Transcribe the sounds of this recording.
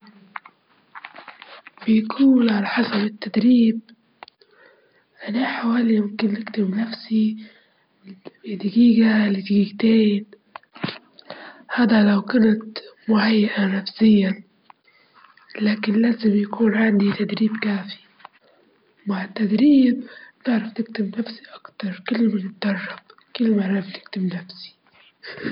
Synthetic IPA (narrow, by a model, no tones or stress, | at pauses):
bɪjkʰuːnʕalaħɑsɑbɪt̪ːad̪ɾiːb̚ | ʔanaħawaːlimʊmkɪnːɪɡt̪ɪmbnafsi | ɪd̪ɪɡiːɡalɪd̪ɪɡiɡt̪eːn | haːd̪alawkant̪mʊʕajːaʔanafsɪjːa | laːkɪnlaːzɪmjakʰuːnʕand̪it̪ad̪ɾiːbkaːfi̥ | maʕɪt̪ːad̪ɾiːb̚t̪ɪʕɾɑft̪ɪk̚t̪ɪbnafsi̥ʔakt̪ɑɾˤkɪlːmɪnɪt̪̚d̪ɑrˤːɑb̚ | kɪlːmaʕɑft̪ɪ̥k̚t̪ɪbnafsi̥